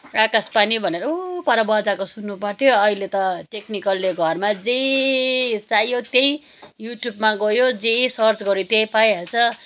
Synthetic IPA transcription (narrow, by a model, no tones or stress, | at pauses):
rakaspanibʱʌneɾʌupʌɾʌbʌd͡zakosunːupʌrt̪ʰjoʌilet̪ʌʈeknikʌlːeɡʱʌrmad͡zej | t͡sajjot̪jej | juʈjubmaɡʌjod͡zejsʌrt͡sɡʌɾut̪ejpajɦʌlt͡sʰʌ